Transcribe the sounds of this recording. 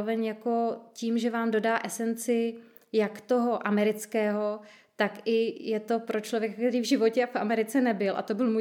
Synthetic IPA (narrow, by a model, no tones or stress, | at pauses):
vɛɲjako̞ciːmʒɛvaːmdo̞daːʔɛsɛnt͡sɪ | jakt̪o̞ɦo̞ʔamɛɾɪt͡skɛːɦo̞ | t̪akɪjɛt̪o̞pɾot͡ʃlovjɛkak̚t̪ɛɾiːvʒɪvo̞cɛafʔamɛɾɪt͡sɛnɛbɪlʔa̰t̪o̞bɪlmuj